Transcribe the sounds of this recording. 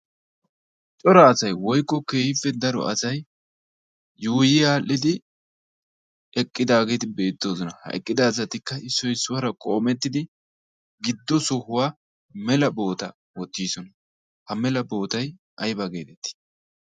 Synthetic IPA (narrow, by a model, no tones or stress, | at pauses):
t͡ʃʼɔɾɐːsɐjwɔjkʼːɔke̞ːhɪfːɛd̪ɐɾɔ̰ʔɐsɐj | juːjɪjaːlːɪd̪ɪ | ɛkʼːɪd̪aːɡe̞ːt̪ɪbe̞ːt̪ːo̞ːzɔnɐhɐ̰ʔɛ̰kʼːɪd̪ɐːs̬ɐt̪ɪkːɐɪsːɔjsːʊwɐɾɐkʼo̞ːmɛt̪ːɪd̪ɪ | ɡɪd̪ːɔsɔhʊwaː | mɛlɐbo̞ːt̪ɐ | wɔt̪ːiːsɔnɐ | hɐmɛlɐbo̞ːt̪ɐj | ʔɐjbɐɡe̞ːt̪ɛt̪ːɪ̥